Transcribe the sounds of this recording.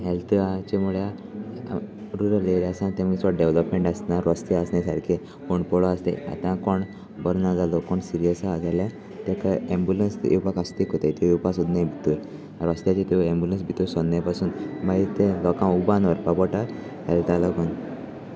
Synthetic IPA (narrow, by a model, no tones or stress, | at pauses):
ɦɛlt̪ʰat͡ɕemuɭja | ɾuɾəleɾasãnt̪ẽməɡsɔɖeʋləpmeɳʈasnaɾɔst̪easnesaɾkʰe | oɳpɔɭɔast̪ḛa̰t̪ãkɔɳ | bəɾnad͡zalɔkɔɳsiɾijəsad͡zala | t̪ẽkaẽmbjulənsʔḛwpakast̪ikot̪at̪ejepasud̪nãbʱit̪u | aɾɔst̪jat͡ɕit̪eẽmbjulənsbʱit̪osɔnːapasuːnmait̪ẽlɔkãubãnʋəɾpapɔʈa | hɛlt̪alɔɡun